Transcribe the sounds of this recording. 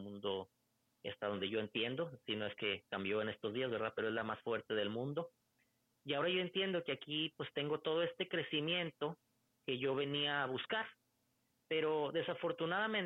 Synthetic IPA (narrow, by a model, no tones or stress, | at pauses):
mũnd̪o | a̰st̪aðo̞nd̪e̞ʝo̞e̞nt̪je̞nd̪o̞sino̞e̞ske̞kambjo̞ene̞st̪o̞zðiazβɾðape̞ɾo̞e̞zlamasfwe̞ɾt̪e̞ð̞e̞lmũnd̪o̞ | iao̞ɾaʝo̞e̞nt̪je̞nd̪o̞keakipwe̞st̪e̞ŋɡo̞t̪o̞ð̞o̞e̞st̪e̞kɾe̞simje̞nt̪o̞ | ke̞ʝo̞β̞e̞niaːβuskaɾ | pe̞ɾo̞ðe̞safo̞ɾt̪unaðamẽn